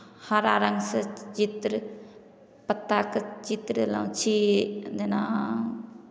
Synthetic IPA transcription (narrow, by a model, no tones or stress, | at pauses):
haɾaɾəŋɡsət͡ʃit̪ɾ | pət̪ːakt͡ʃit̪ɾəla̰t͡ʃʰid̪ena